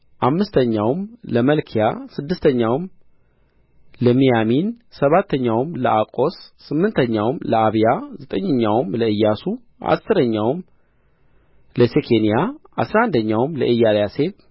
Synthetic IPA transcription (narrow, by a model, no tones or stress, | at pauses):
ʔamːɨst̪ʰəɲːawmləməlkʰijasɨd̪ːɨst̪ʰəɲːawm | ləmijaminsəβat̪ʰːəɲːawmləʔakʼo̞sːɨmːɨnt̪ʰəɲːawmləaβjazət̪ʼəɲːəɲːawmləɨjːasu | ʔa̰sːɨɾəɲːawm | ləsekʰenijaa̰sɾaand̪əɲːawmləʔɨjːaljase̞β